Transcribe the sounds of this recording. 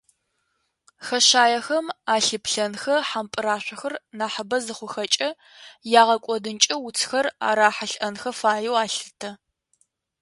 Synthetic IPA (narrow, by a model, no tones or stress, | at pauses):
xɐɕaːjɐxɐmaːɬɨpɬɐnxɐħampʼɨɾaːɕʷɐxɐrnaːħɐbɐzɨχʷʊxɐt͡ʃʼɐ | jaːʁɐkʷʼɔdɨnt͡ʃʼɐwʊt͡sʰxɐra̰ːɾaːħaɬʔɐnxɐfaːjɛwaːɬɨtʰɐ